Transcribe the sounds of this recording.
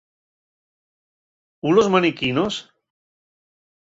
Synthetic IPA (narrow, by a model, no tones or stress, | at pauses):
ulozmanikinos